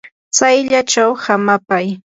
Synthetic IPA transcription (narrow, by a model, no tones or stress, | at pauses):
t͡sajʎat͡ʃawhamapaj